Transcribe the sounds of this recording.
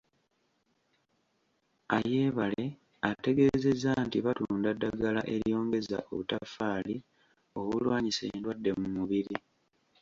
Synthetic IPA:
aje̞ːβale̞ | ate̞ɡe̞ze̞zantiβatuːndadːaɡalaʔe̞ɾjo̞ːŋɡe̞za̰ʔo̰βutafaːli | o̞βulwaːɲisendwadːe̞mumuβiɾi

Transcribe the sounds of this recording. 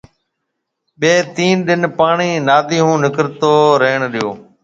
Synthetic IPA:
ɓeːt̪iːnɗɪnpaːɳiːnaːd̪iːɦũːnɪkɾt̪oːɾəɦɳɗɪjoː

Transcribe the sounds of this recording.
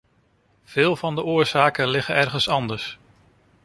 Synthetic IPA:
v̥ɪːlˠvɑndəʔʊːɹz̥aːkənlɪχənɛrχənsɑndəɹs

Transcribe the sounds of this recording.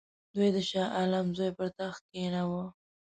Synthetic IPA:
d̪ujd̪əʃɑʔalamzojpəɾt̪axkenawə

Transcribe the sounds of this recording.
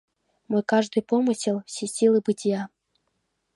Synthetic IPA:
mɔjkaʐd̪ɨpɔmɨsʲilˠsʲesʲilˠɨbɨtʲja

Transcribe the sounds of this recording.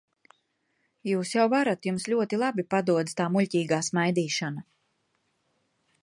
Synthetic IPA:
juːsjawvaɾat̪jumsʎʲuɔt̪ilˠabipad̪uɔd̪t̪aːmulʲciːɡaːsmajd̪iːʃana

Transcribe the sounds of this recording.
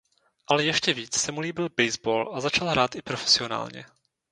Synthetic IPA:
ʔalɛjɛʃcɛviːt͡ssɛmuliːbɪlbɛjzboːlʔazat͡ʃalɦɾaːt̪ʔɪpɾofɛ̥sɪona̰ːlɲɛ̰

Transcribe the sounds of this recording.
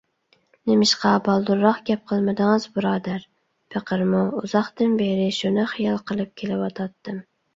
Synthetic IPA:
nɪmɪʃqɑbɑlˠd̪uɾːɑχɡʲɛp̚qʰəlˠmɪd̪ɪŋɨzbuɾɑːd̪æɾ | pʰəqʰəɾmuuzɑχt̪ɨnbeɾɪʃunɪχijɑlˠqʰəlˠɨp̚kʲʰelɪwɑt̪ʰɑt̪ʰːɨm

